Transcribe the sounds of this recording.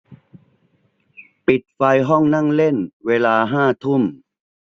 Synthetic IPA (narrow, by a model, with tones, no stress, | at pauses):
pi˨˩t̪̚fa˧jɦɔ˥˩ŋna˥˩ŋle˥˩nweː˧laː˧ɦaː˥˩t̪ʰu˥˩m